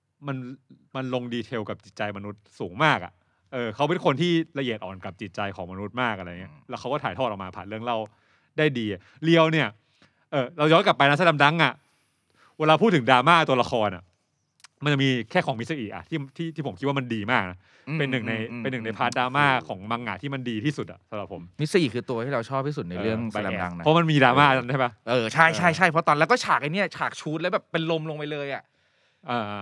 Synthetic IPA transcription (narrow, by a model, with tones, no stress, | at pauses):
ma˧n | ma˧nlo˧ŋdiː˧t̪ʰe˧wka˨˩p̚t͡ɕi˨˩t̪̚t͡ɕa˧jma˧nu˦˥t̪̚suː˩˦ŋmaː˥˩k̚ʔa̰˨˩ʔ | ʔɤː˧kʰa˦˥wpe˧˩nkʰo˧nt̪ʰiː˥˩la˧ʔi˨˩ə˩t̪̚ʔɔ̰ː˨˩nka˨˩p̚t͡ɕi˨˩t̪̚t͡ɕa˧jkʰɔː˩˦ma˧nu˦˥t̪̚maː˥˩k̚ʔa˧ɾa˧ja˨˩i˦˥lɛ˦˥kʰa˦˥wkɔː˥˩t̪ʰːt̪ʰɔ˥˩ɔː˨˩maː˧pʰa̰˨˩t̪̚ɯ˥˩əŋla˥˩w | daː˥˩jdiː˧˨˩ | li˧əwni˥˩ɐ | ʔɤː˨˩ɾa˧wjɔː˦˥nka˨˩pːa˧jna˦˥sa˧˥la˧mda˦˥ŋʔa˨˩ | weː˧laː˧pʰu˥˩t̪ʰːɯ˩˦ŋdaː˧maː˥˩t̪u˧ɐla˧xʰɔː˧nʔa̰˨˩ | ma˧nt͡ɕa˨˩miː˧kʰɛː˥˩kʰɔː˩˦ŋmi˦t̪̚sa˧ʔi˨˩ʔa̰˨˩t̪ʰiː˥˩t̪ʰiː˥˩t̪ʰiː˥˩o˩˦mk̪̚ʰwaː˥˩ma˧ndiː˧maː˥˩k̚na˦˥ | pe˧nːɯ˨˩ŋna˧jpe˧nːɯ˨˩ŋna˧˩jpʰaː˦˥t̪̚daː˧maː˥˩kʰɔː˩˦ŋma˧˥ŋʔa̰˨˩t̪ʰiː˥˩ma˧ndiː˧t̪ʰiː˥˩su˨˩t̪̚ʔa̰˨˩sa˧˦ɾa˨˩pʰːo˩˦mm˦˥t̪̚sa˧ʔi˨˩kʰɯː˧t̪u˧ət̪ʰiː˥˩ɾa˧wt͡ɕʰɔː˥˩p̚t̪ʰiː˥˩su˨˩t̪̚na˧jɾɯ˥˧˩əŋa˧ɛ˧˨˧a˦˥ŋna˦˥ma˧nmiː˧daː˧maː˥˩na˦˥nʰa˥˩ba˦˥ʔɤː˧˩t͡ɕʰa˥˩jt͡ɕʰa˥˩jt͡ɕʰa˥˩jpʰɾɔ˦˥t̪ɔː˧lɛ˦˥wkɔː˥˩t͡ɕʰaː˨˩k̚ʔa˧jni˦˥ɐ˨t͡ɕʰaː˨˩k̚t͡ɕʰuː˦˥t̪̚lbɛː˨˩pːe˧nlo˧mlo˧ŋpa˧jlɤː˧jʔa˨˩ʔ | ʔaː˧˩˧